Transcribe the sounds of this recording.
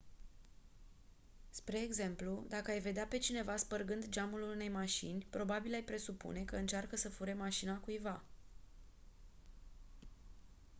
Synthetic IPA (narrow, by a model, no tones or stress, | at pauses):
spɾe̞ːɡze̞mplud̪akəajve̞d̪eape̞t͡ʃine̞vaspərɡɨnd̪d͡ʒamulune̞jmaʃḭnʲpɾo̞babilajpɾe̞supṵne̞kəɨnt͡ʃarkəsəfuɾemaʃinakujva